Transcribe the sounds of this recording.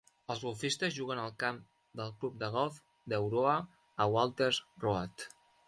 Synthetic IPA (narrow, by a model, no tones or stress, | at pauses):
əlˠzɣulˠfist̪əzʒuɣənəlˠkam | d̪əlˠklup̚d̪əɣ̞ɔlˠf | d̪əwɾoəː | walˠt̪eɾroat̪